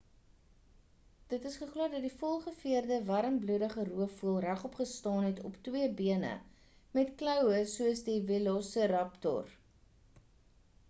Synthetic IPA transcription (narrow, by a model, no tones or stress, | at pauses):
d̥ətəsχəχluərdɐt̚difɔlˠχəfiərdəvɐɾəmbludəχəruəfuəlˠræχɔpχəstɑːnɦɛtɔptwiəbiənə̰ | mɛtklœwəsuəsdivilɔsəɾɐptɔ̰r